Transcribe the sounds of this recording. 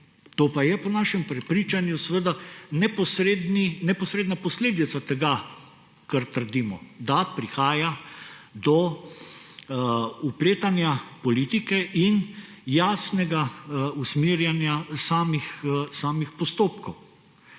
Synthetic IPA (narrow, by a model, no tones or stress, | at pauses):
t̪oːpajɛpɔnaːʃɛmpɾɛpɾiːt͡ʃanjusəʋəd̪anɛpɔsɾed̪ninɛpɔsɾeːd̪napɔsleːd̪it̪sat̪ɛɡa | kaɾt̪əɾd̪iːmɔ̰d̪apɾixaːjad̪ɔ | upleːt̪anjapɔlit̪ikɛʔin | jaːsnɛɡausmiːɾjanjasaːmixsaːmixpɔst̪oːpkɔw